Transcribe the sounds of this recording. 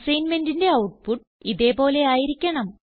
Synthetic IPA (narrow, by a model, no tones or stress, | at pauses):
sɐjnmendinde̞ɐwʈ̚puʈː | iðe̞po̞ːle̞aːjiɾikʲːɐɳɐm